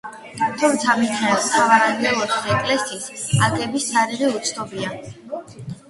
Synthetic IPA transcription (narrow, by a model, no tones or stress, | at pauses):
t̪ʰumt̪sʰamit̪ʰɛsavaɾanɡɛlˠɔsʰi̥sɛkʼlɛsiːsaɡʼɛbisːaɾiʁiut̪sʰt̪ɔbia